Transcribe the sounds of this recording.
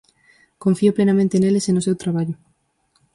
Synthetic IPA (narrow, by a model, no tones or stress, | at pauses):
koɱfiʊplenamẽnt̪enelesenʊsewt̪ɾaβ̞aʎʊ